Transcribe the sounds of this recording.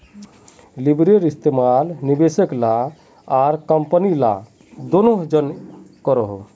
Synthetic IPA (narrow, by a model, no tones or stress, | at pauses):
libɾeɾist̪emalnibesəkla | aɾkəmpənila̰ | d̪onoɦd͡ʒənkəɾəɦo̰